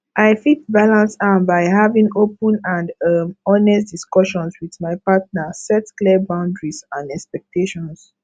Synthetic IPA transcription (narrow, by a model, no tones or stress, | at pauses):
ʔaɪfit̚balãnsãnbaɪɦavĩŋopə̃nãndmɔnɛsdiskɔʃɔ̃nswiðmaɪpatnasɛtklibãʊ̃ndɹizãndɛkspɛk̚tʰeʃɔ̃ns